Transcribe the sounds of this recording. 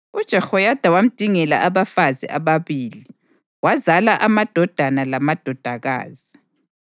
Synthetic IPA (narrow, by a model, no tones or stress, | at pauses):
ud̥ʒ̥ʱɛxɔjad̥ʱawam̩d̥ʱiŋɛla̰ʔaβafazḭʔaβaβiːli | wazalaʔamad̥ʱɔd̥ʱanalamad̥ʱɔd̥ʱaɣa̰ːz̥i